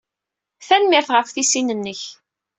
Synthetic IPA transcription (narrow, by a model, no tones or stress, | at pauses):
θænmɪɾθʁəfθisinənːəç